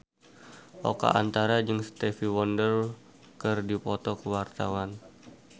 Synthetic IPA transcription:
ʔɔ̰ka̰ʔa̰nt̪aɾad͡ʒəŋst̪ɛfiwɔndər | kɨrdipɔt̪ɔkəwart̪a̰wan

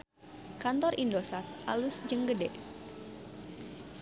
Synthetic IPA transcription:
kant̪ɔrʔindosat̪̚a̰lusd͡ʒəŋɡədɛʔ

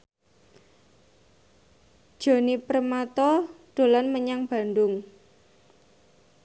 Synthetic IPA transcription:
d̥ʒ̥o̤nipəɾmat̪ɔɖ̥o̤lanməɲaŋb̥ä̤ndʊŋ

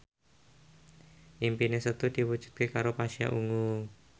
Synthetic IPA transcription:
ʔimpinesət̪ud̪̥i̤wud͡ʒ̥ʒ̥ṳ̥d̪̚kekaɾopaʃia̰ʔuŋu

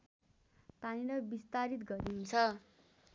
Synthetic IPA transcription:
paniɾʌbist̪aɾit̪ɡʌɾiɦunt͡sʰʌ

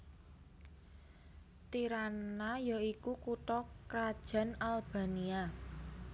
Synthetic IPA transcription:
t̪iɾanajaikukuʈɔkɾad̥ʒ̥ä̤nalb̥a̤nia

